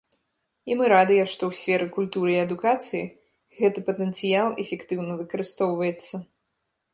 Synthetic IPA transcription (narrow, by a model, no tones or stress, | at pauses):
imɨɾad̪ɨjɛʂt̪ɔwsʲfʲɛɾɨkulʲt̪uɾɨiɐd̪ukat̪sɨji | ɣɛt̪ɨpɐt̪ɛnt̪sɨjalˠɛfʲɛkt̪ɨwnɐvɨkɐɾɨst̪ɔwvɐjɛt̪sːɐ